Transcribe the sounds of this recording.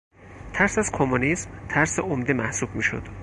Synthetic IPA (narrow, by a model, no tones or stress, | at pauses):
t̪ʰæɾsæzkʰomunismt̪ʰæɾseomd̪emæhsubmiːʃo̰d̪̥